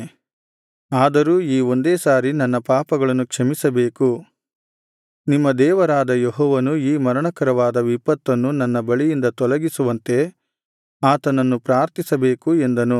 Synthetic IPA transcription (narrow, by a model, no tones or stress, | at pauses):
aːd̪ɐɾuːiːo̞nd̪eːsaːɾinɐnːɐpaːpɐɡɐɭɐnːukʂɐmisɐbeːku | nimːɐd̪ɛːʋɐɾaːd̪ɐjeɦɔːʋɐnuiːmɐɾɐɳɐkɐɾɐʋaːd̪ɐʋipːɐt̪ːɐnːunɐnːɐbɐɭijind̪ɐt̪ɔlɐɡisuʋɐnt̪e̞ | aːt̪ɐnɐnːupɾaːɾt̪isɐbe̞ːkue̞nd̪ɐnu